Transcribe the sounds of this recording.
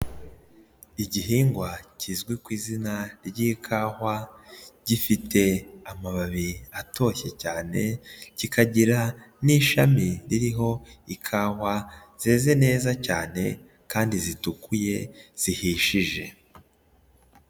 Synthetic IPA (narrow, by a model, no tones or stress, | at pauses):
iɟiɦiːŋɡwaciːzɡwikwiːzinaɾɟikʰaːhwaɟ̥ifitʰe̞amaβaβiato̞çe̞caːne̞cikʰaɟiɾa | niːʃamiɾiɾiɦo̞ikʰaːhwa | z̥eːze̞ne̞ːzacaːne̞̰ | kaːndizitukuje̞z̥ihiːʃiʒe̞